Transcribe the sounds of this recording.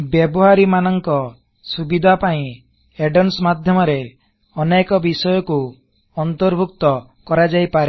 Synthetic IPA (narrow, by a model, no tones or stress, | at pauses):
bjebɔɦaɾimanɔŋkɔ | subid̪ʱapaĩ | eɖɔnsmad̪ʱjɔmɔɾe | ɔnekɔbisɔjɔku | ɔnt̪ɔɾbʱuk̚t̪ɔ | kɔɾad͡ʒajpaɾe